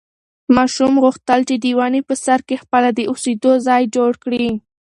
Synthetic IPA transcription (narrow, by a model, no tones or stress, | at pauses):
mɑʃumɣuxt̪əlt͡ʃed̪iwɑnipəsaɾkexpəlad̪əused̪ozɑjd͡ʒoɽkɽi